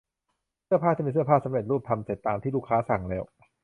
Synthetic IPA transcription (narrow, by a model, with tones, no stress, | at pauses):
sɐpʰaː˥˩iː˥˩miː˧sɯ˥˩ɐpʰaː˥˩sa˨˦mɾe˨˩t̪̚ɾuː˥˩p̚t̪ʰa˧mse˨˩t̪ːaː˧mt̪ʰiː˥˩luː˥˩kʰːaː˦˥sa˨˩˦ŋlɛː˦˥w